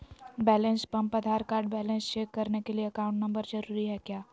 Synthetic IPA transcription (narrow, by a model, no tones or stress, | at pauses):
bɛːlẽnspɐ̃mpɐd̪ʱaːɾkaːɾɖ̚bɛːlẽnst͡ʃeːkːɐɾnekelieɐkãːʊ̃ɳʈnɐ̃mbəɾd͡ʒɐɾuːɾiɦɛkjaː